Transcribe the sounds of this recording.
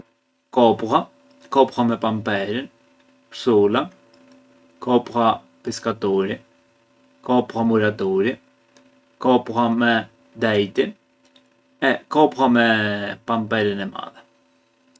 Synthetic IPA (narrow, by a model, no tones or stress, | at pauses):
kɔpʁa | kɔpʁamɛpampɛɾin | psula | kɔpɾa | piskat̪uɾi | kɔpɾamuɾat̪uɾi | kɔpɾamɛ | d̪ɛjt̪in | ɛkɔpɾamɛpampɛɾinɛma̰ðɛ